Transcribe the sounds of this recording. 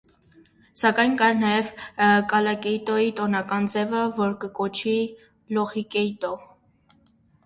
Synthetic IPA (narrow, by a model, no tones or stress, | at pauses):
sɑkɑjnkɑɾnɑjɛvkɑlɑkɛjt̪ɔjit̪ɔnɑkɑnd͡zɛvəvɔɾkəkɔt͡ʃʰi | lɔχikɛjt̪ɔ